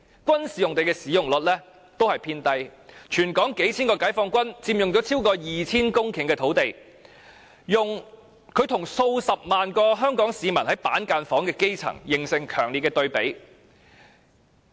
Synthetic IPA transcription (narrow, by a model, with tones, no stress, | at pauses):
kʷɐ˥nsiː˨jʊ˨ŋt̪e˨jkɛː˧siː˨˧jʊ˨˩ŋlɵ˨t̚lɛː˥ | t̪o˥whɐ˨jpʰiː˧nt̪ɐ˧jt͡ʃʰyː˨˩nkɔː˨˥ŋke˨˥jt͡sʰiː˥nkɔː˧kaː˨˥jfɔː˧ŋkʷɐ˥nt͡siː˧mjʊ˨ŋt͡sɔ˨˥t͡sʰiː˥wkɔː˧jiː˨t͡sʰiː˥nkʊ˥ŋkʰɪ˨˩ŋkɛː˧t̪ʰo˨˥wt̪e˨j | jʊ˨ŋ | kʰɵ˨˧ɥt̪ʰʊ˨˩ŋso˧wsɐ˨p̚maː˨nkɔː˧ɦœː˥ŋkɔː˨˥ŋsiː˨mɐ˨˩nhɐ˨˥jpaː˨˥nkaː˧nfɔː˨˥ŋkɛː˧ke˥jt͡sʰɐ̰˨˩ŋjɪ˨˩ŋsɪ˨ŋkʰœː˨˩ŋliː˨t̚kɛ˧t̪ɵ˧ɥpe˨˥j